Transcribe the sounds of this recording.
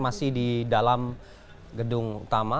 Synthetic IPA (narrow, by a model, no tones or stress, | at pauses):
masɪhdidalam | ɡədʊŋṵt̪ama